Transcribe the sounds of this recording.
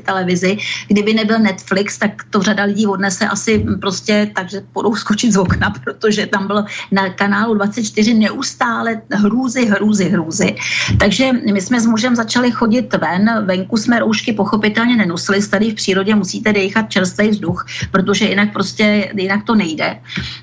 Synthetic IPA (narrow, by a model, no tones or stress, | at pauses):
t̪ɛlɛvɪzɪɡdɪbɪnɛbɪlnɛt̪flɪkst̪akt̪o̞r̝adalɪɟiːvo̞dnɛsɛʔasɪpɾoscɛt̪aɡʒɛbudowsko̞t͡ʃɪt̪zvoknapɾot̪o̞ʒɛt̪ambɪlnakanaːludvat͡sɛt̪̚t͡ʃt̪ɪrɪnɛʔust̪aːlɛɦɾuːzɪɦɾuːzɪɦɾuːzɪt̪aɡʒɛmɪsmɛzmuʒɛmzat͡ʃalɪxo̞ɟɪt̪vɛnvɛŋkusmɛɾowʃkɪpo̞xo̞pɪt̪ɛlɲɛnɛnosɪlɪst̪adɪfpr̥iːɾo̞ɟɛmusiːt̪ɛdɛjxat̪̚t͡ʃɛɾst̪vɛjvzduxpɾot̪̬o̞ʒɛjɪnak̚pɾo̞scɛjɪnakt̪o̞nɛjdɛ̰